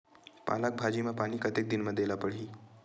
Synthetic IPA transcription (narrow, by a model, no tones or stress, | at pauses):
pa̰ːlak̚bʱad͡ʒimãpaːnikət̪ek̚d̪ɪnmãd̪elapəɽ̤iː